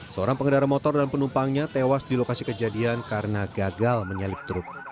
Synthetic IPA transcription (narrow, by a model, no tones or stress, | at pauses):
səoɾaŋpəŋədaɾamɔt̪ɔrdanpənumpaŋɲat̪ewasdilokasikəd͡ʒadiankaɾənaɡaɡalməɲəlɪp̚t̪ɾʊp̚